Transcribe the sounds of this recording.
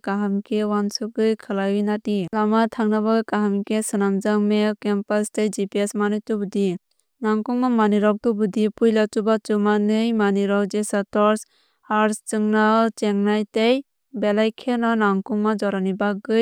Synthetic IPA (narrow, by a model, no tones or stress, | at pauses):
kaɦamkʰewansɯɡɯjkʰɯlajwɯjnatilamatʰaŋnabaɡɯjkaɦamkesɯnamd͡ʒaŋmekempastejd͡ʒipiesmanɯjtubudi | naŋkuŋmamaniɾɔk̚tubɯdipujlatubat͡ʃumanɯjmaniɾɔwd͡ʒesatɔɾs | haɾst͡ʃɯŋnat͡ʃeŋnajtej | belajkʰenanaŋkuŋmad͡ʒɔɾanibaɡɯj